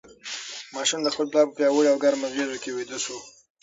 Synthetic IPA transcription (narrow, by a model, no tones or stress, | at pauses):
mɑʃund̪əxpəlplɑpəpjɑwəɽiawɡaɾmazwezokewid̪əso